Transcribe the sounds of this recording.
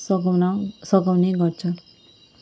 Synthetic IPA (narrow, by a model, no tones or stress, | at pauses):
sʌkawneɡʌrt͡sʰʌ